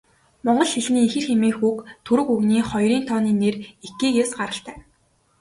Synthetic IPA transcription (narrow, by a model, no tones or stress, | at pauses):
mɔɴɢɞ̆ɮxiɮniːixɘ̆rxemiːxuːkt̪ʰuɾɵ̆kuɣniːχɔjɾiːnt̪ʰɔːniːnerekiːkeːsɢaɾə̆ɬt̪æː